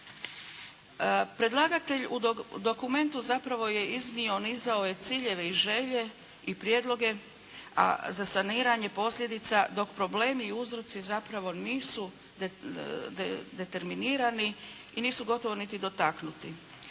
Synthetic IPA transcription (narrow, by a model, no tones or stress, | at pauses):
pɾe̞d̪lˠaːɡat̪e̞ʎud̪o̞kume̞nt̪uzapɾaʋo̞je̞iznio̞nizaoje̞t̪siːʎe̞ʋe̞iʒe̞ʎe̞ | ipɾjeːd̪lˠo̞ɡe̞ | a̰zasaniːɾaɲe̞po̞slʎʲe̞d̪it̪sad̪o̞kpɾo̞ble̞ːmiːuzɾo̞t̪sizapɾaʋo̞niːsu | d̪e̞t̪e̞ɾminiːɾani | iniːsuɡo̞t̪o̞ʋo̞nit̪id̪o̞t̪aknut̪i